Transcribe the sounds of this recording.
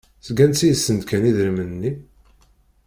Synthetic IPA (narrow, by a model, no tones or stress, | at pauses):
sɡænt̪t͡sːijəsːənd̪kæniðɾəmənnːi